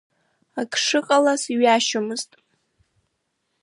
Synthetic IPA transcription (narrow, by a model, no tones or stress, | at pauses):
akʰʂɨqʼalasiɥaʃomɨztʼ